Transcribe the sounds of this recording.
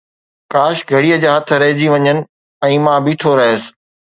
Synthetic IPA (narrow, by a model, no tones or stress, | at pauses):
kaːʃɡʱɐɽiːəd͡ʑaːɦɐt̪ʰɾɐɦɪd͡ʑiʋɐɲənɪ̆ | ɛ̃ːmãbɪt̪ʰoɾɐɦosɪ̥̆